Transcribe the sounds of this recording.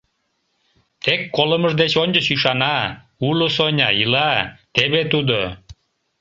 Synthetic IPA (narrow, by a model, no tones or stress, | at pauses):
t̪ekːoləməʒd̪et͡ɕonʲd͡ʑəsyʃɑnɑ | ulosonʲɑjilɑt̪eβet̪ud̪o